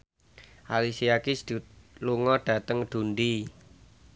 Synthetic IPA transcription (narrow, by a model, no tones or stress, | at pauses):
ʔalisiakisd̥luŋɔɖ̥ä̤t̪əŋɖ̪̥ṳndi